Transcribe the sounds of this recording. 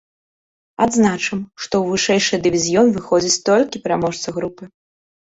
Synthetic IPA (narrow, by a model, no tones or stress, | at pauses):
ad̪znat͡ʂɐmʂt̪ɔwvɨʂɛjʂɨjd̪ɨvʲizʲjɔnvɨxɔd͡zʲit͡sʲt̪ɔlʲkʲipʲɛɾamɔʂt̪sɐɣɾupɨ